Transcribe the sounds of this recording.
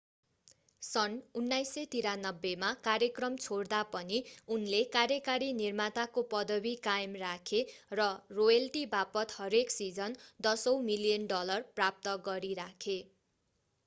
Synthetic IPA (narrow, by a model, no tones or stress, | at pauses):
sʌnunːajsʌt̪iɾanʌbːemakaɾjʌkrʌmt͡sʰoɽd̪apʌniunlekaɾjʌkaɾinirmat̪akopʌd̪ʌbikajmrakʰerʌrojʌlʈibapʌt̪hʌɾeksid͡zʌnd̪ʌsʌwmilijʌnɖʌlʌrprap̚t̪ʌɡʌɾiɾakʰe